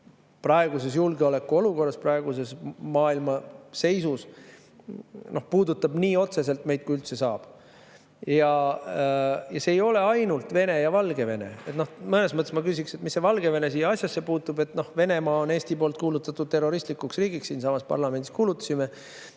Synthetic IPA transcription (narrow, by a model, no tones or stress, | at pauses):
prɑe̞ɡ̥use̞s̬julɡeole̞kːuo̞luko̞rːɑsprɑeɡ̥us̬e̞smɑːilmɑse̞jsus | no̞hpuːd̪ut̪ːˑɑb̥niːo̞t̪se̞s̬e̞lt̪me̞jd̪̚kujylt̪se̞sɑːb̥ | jɑ | jɑse̞ːjo̞le̞ɑjnult̪ve̞ne̞jɑvɑlɡ̥e̞ve̞ne̞̰et̪no̞hmɤne̞smɤt̪ːˑesmɑkysʲikse̞t̪misːe̞vɑlɡe̞ve̞ne̞siːjɑɑsʲjɑsːe̞puːt̪ːˑube̞t̪ːno̞hve̞nemɑːone̞ːsʲt̪ipo̞ːlt̪̚kuːlut̪ːˑɑt̪ːˑud̪̥̚t̪e̞ro̞ɾist̪likːuksriːɡiksːiːnsɑmɑspɑ̰rlɑmend̪i̥skuːlut̪ːˑɑ̥sime̞